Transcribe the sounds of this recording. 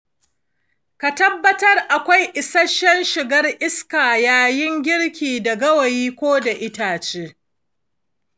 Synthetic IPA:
ka˨tɐ˦bːɐ˦tɐ˦rʔa˨kʷa˦jʔɪ˨sɐ˦ʃɛ˦nʃɪ˨ɡɐ˦rʔɪ˦skaː˨jaː˦jɪ˦ŋɡʲɪ˦ɽkʲiː˨dɐ˨ɡɐ˦wɐ˨jiː˦kʷoː˦da˨ʔɪ˦taː˨t͡ʃeː˦

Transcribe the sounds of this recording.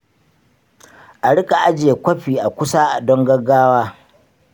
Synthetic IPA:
ʔa˨ɽɪ˦kʼa˨ʔa˦d͡ʒɪ˨e˨kʷɐ˦ɸiː˨ʔa˨kʷʊ˦saː˦ʔa˨dɔ˦ŋɡɐ˦ɡaː˦waː˦

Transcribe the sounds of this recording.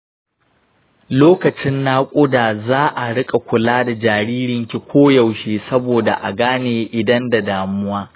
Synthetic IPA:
loː˦kɐ˨t͡ʃɪ˦nːaː˦kʷʼʊ˦daː˨zaː˦ʔa˨ɽɪ˦kʼa˨kʷʊ˨laː˦da˨d͡ʒaː˨ɾiː˦ɾɪ˨ŋkʲi˨kʷoː˦jɐ˨wʃeː˨sɐ˦boː˨da˨ʔa̰˨ɡaː˦neː˨ʔɪ˨dɐ˦nda˨daː˨mʊ˦waː˦

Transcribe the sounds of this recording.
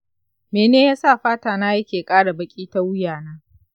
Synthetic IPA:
meː˨neː˦jaː˦sa˦˨ɸaː˦taː˨naː˦jɐ˦kʲeː˨kʼaː˦ɽa˨bɐ˦kʲʼiː˦ta˦wʊ˦jaː˨naː˦

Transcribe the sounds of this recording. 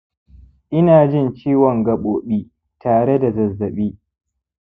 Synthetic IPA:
ʔɪ˦naː˨d͡ʒɪ˦˨nt͡ʃiː˦wɔ˨ŋɡɐ˨ɓoː˨ɓiː˦ | taː˨ɽe˦da˨zɐ˨zːɐ˨ɓiː˦

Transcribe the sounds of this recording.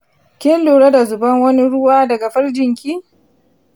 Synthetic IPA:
kʲɪ˦nlu˨ɽɐ˦da˨zʊ˨bɐ˦ŋwɐ˦ni˦ɽʊ˦waː˦dɐ˨ɡa˨ɸɐ˦ɽd͡ʒɪ˨ŋkʲiː˦

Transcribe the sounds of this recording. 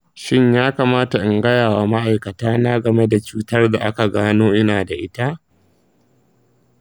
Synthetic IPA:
ʃɪ˦ɲjaː˦kaː˨maː˦ta˨ʔɪ˦ŋɡɐ˦jaː˨wa˨ma˦ʔa˨jkɐ˨taː˦naː˦ɡɐ˨me˦da˨t͡ʃuː˦tɐ˦rda˨ʔa˦ka˨ɡaː˦noː˦ʔɪ˦naː˨da˨ʔɪ˦ta˦ʔ

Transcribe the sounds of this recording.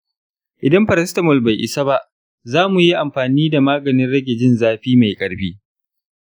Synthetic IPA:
ʔɪ˨dɐ˦mɸɐ˨ɾɐ˦stɐ˨mɔ˨lba˨jʔɪ̰˨sa˦ba˦ʔ | zaː˦mu˨ji˦ʔa˨mɸaː˨niː˦da˨maː˦ɡɐ˨nɪ˦nɽɐ˦ɡʲe˨d͡ʒɪ˦nzaː˦ɸiː˦ma˨jkʼɐ˨˦ɽɸiː˦

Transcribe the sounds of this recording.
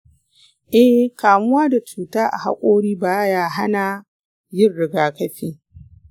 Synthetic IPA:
ʔɛ˦hkaː˨mʊ˦waː˦da˨t͡ʃuː˨taː˦ʔa̰˨ha̰˦kʷʼoː˦ɽiː˦baː˦˨˦jaː˦ɦa˦na˨ | jɪ˦˨rɽɪ˨ɡaː˨kɐ˦ɸiː˦

